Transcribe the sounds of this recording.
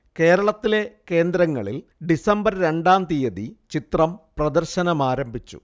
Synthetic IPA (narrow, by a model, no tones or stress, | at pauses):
ke̞ːɾɐɭɐt̪ːile̞ke̞ːnd̪ɾɐŋːɐ̰ɭil | ɖisɐmbɐɾɾe̞ɳɖaːnt̪ijɐðit͡ɕit̪rɐmprɐd̪ɐrɕɐnɐmaːɾɐmbʱit͡ɕːṵ